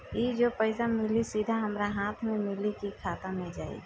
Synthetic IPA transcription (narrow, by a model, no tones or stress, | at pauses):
id͡ʒopəɪsamɪlisid̪ʱaɦəmɾaɦaːt̪ʰmẽmɪlikikʰaːt̪amẽd͡ʒaːḭ